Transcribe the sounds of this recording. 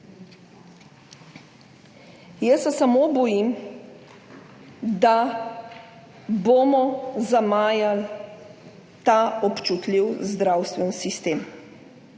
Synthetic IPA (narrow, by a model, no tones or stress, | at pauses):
jəsɛsamobɔjim | d̪a | boːmɔzamaːjal | t̪aɔpt͡ʃut̪liwzd̪ɾawst̪ʋɛnsist̪eːm